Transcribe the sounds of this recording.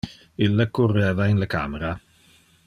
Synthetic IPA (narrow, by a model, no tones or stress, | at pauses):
ɪlːakːurːɛːvaɪnləka̰ːmeɾa